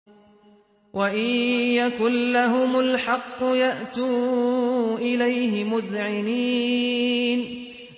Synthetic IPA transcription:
wʔaʔɪjakʊlːaɦʊmʊlħɑqːʊjaʔt̪uː | ʔɪlajɦɪmʊðʕɪniː | n

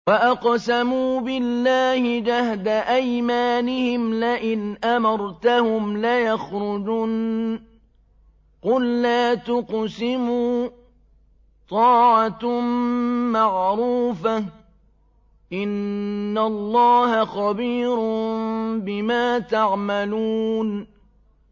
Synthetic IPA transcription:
waʔaqsamuːbɪlːaːhɪd͡ʒahd̪aʔajmaːnɪhɪmlaʔɪnʔamɑɾˤt̪ahʊmlajaxɾʊd͡ʒuːn | qʊlːaːt̪ʊqsɪmuː | t̪ˤɑːʕa | maʕɾuːfa | ʔɪnːalˤːɑːhaxɑbiːɾ | bɪmaːt̪aʕmaluːn

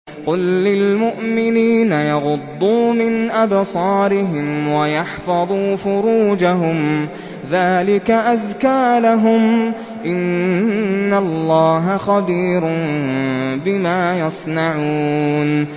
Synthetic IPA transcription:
qʊlːɪlmʊʔmɪniːnajɑɣʊd̪ˤːuːmɪnʔabsˤɑːɾɪɦɪmwajɑħfɑðˤuːfʊɾuːd͡ʒaɦʊm | ðaːlɪkaʔazkaːlaɦʊm | ʔɪnː | alːɑːɦaxɑbiːɾʊn | bɪmaːjɑsˤnɑʕuːn

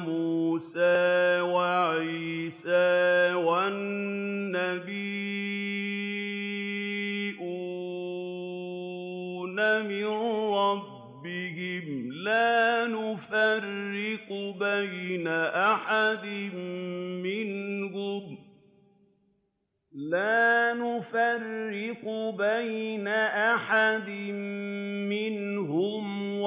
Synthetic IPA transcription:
muːsaːwaʕiːsaːwanː | abiː | ʔu | namɪnɾˤɑbːɪhɪmlaːnʊfarːɪqbajnaʔaħad̪ɪmmɪnhʊm | laːnʊfarːɪqʊbajnaʔaħad̪ɪmmɪnɦʊmw

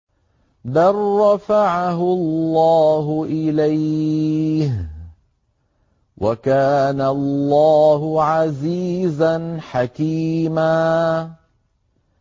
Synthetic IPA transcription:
d̪ɑrˤːɑfaʕaɦʊllːɑːɦʊʔɪlaj | h | wʔakaːnalːɑːɦʊʕaziːzanħakiːmaː

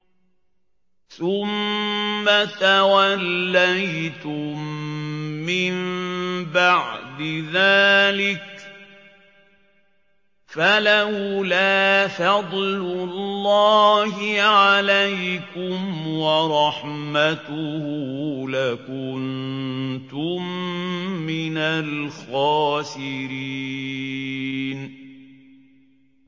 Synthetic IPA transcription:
θʊmː | at̪awalːajt̪ʊmː | ɪmbaʕd̪ɪðaːlɪk | falahlaːfɑd̪ˤlʊlːɑːhɪʕalajkʊmwɑɾˤɑħmat̪ʊhulakʊn | t̪ʊmː | ɪnalxɑːsɪɾi | n

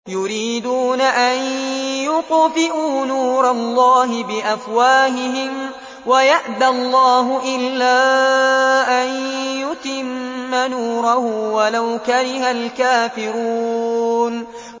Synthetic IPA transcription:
jʊɾiːd̪uːnaʔanjʊqʊfɪʔuːnuːɾɑlˤːɑːɦɪbɪʔafwaːhɪɦɪm | wajaʔd̪alˤːɑːɦʊʔɪlːaː | ʔanjʊt̪ɪmːanuːɾɑhʊwalawkaɾɪhalkaːfɪɾuːn

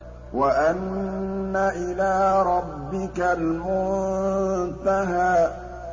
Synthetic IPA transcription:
waʔanː | aʔɪlaːɾˤɑbːɪkalmʊn | t̪aɦaːʔ

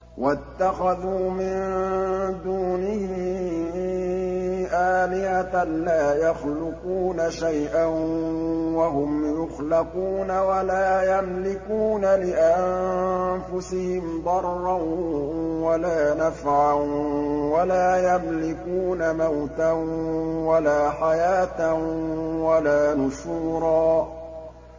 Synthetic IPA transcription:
wʔat̪ːaxaðuːmɪn | d̪uːnɪhɪ | ʔaːlɪhalaːjaxlʊquːnaʃajʔan | waɦʊmjʊxlɪquːnawalaːjamlɪkuːnalɪʔanfʊsɪhɪmd̪ˤɑrˤːɑ | walaːnafʕanwalaːjamlɪkuːnamawt̪anwalaːħajaːt̪awalaːnʊʃuːɾˤɑː

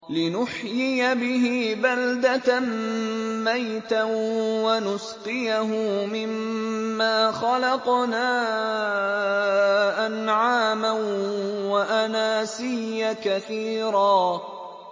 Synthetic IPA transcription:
lɪnʊħjɪjabɪɦɪbald̪at̪a | majt̪awanʊsqɪjaɦʊmɪmːaːxɑlɑqnaː | ʔanʕaːma | waʔanaːsɪjːakaθiːɾɑː

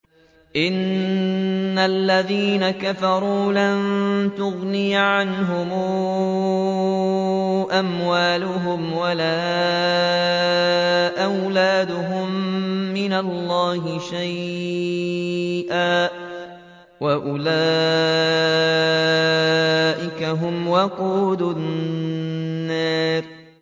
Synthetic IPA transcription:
ʔɪnː | alːaðiːnakafɑɾˤuːlant̪ʊɣnɪjʕanɦʊmu | ʔamwaːlʊɦʊmwalaː | ʔawlaːd̪ʊɦʊmːɪnalːɑːɦɪʃaj | ʔaː | waʔʊlaː | ʔɪkaɦʊmwaquːd̪ʊ | aːɾ

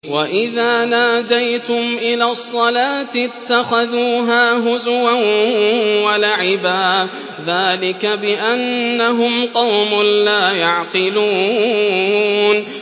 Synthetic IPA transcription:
waʔɪðaːnaːd̪ajt̪ʊmʔɪlaːsˤːɑlaːt̪ɪt̪ːaxaðuːɦaːɦʊzʊwan | walaʕɪbaː | ðaːlɪkabɪʔanːaɦʊmqɑwmʊlaːjaʕqɨluː | n

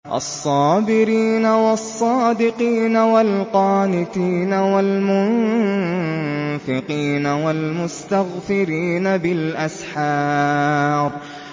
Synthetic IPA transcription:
ʔɑ̰sˤːɑːbɪɾiːnawɑsˤːɑːd̪ɪqiːnawalqɑːnɪt̪iːnawalmʊn | fɪqiːnawalmʊst̪aɣfɪɾiːnabɪlʔasħɑː | ɾˤ

